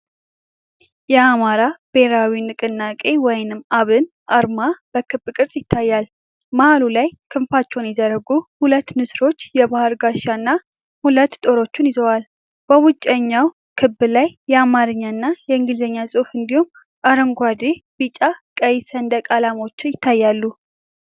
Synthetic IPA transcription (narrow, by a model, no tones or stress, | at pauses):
jɛamaɾab̥e̞ɾawinɨkʼɨnːakʼe̞wɔjnɨmaβɨn | ʔaɾmab̥əkʰɨbːkʼɨɾsʼjɪt̪ʰːajːal | mahalulajkʰɨmfat͡ʃːɛwnjɛzəɾəɡuhulət̪ːnɨsɾo̞t͡ʃːjɛbahɨɾɡaʃanːa | hulət̪ːt̪ʼo̞ɾo̞t͡ʃːunizəwal | b̥əwʊt͡ʃʼːəɲːaw | kʰɨbːɨlajːɛamaɾɨɲːanːajɛɨŋɡɨlzəɲːasʼɨfɨnd̪ihum | ʔaɾəŋɡʷad̪eb̥it͡ʃʼakʼəjsənd̪əkʼalamo̞t͡ʃːɪjɪt̪ʰːajːalːu